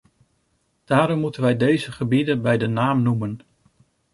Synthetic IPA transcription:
d̥aːɾɔmːutənʋɛjdejzəχəbidənbɛjdənaːmnumən

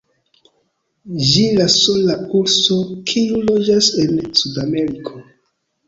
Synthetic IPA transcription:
d͡ʒilasolakuɾsokʰiulod͡ʒase̞nsudame̞ɾikʰo

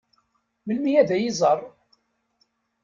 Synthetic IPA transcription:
məlmijæðæjizˤɑrˤ

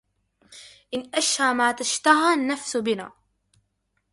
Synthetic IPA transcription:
ʔɪnʔaʃhaːmaːt̪aʃt̪aɦanːafsʊbɪna̰ː

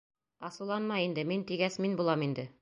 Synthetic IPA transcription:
ɑsɤlˠɑnmɑjind̪ɘmint̪iɡæsminbulˠɑmind̪ɘ

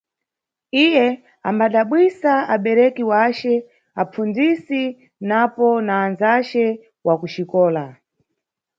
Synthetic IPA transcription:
ijɛ | ambaɗaɓwisaaɓɛɾɛkiwat͡ʃɛ | ap͡fund͡zisi | napɔnaːnzat͡ʃɛ | wakuʃikɔːla

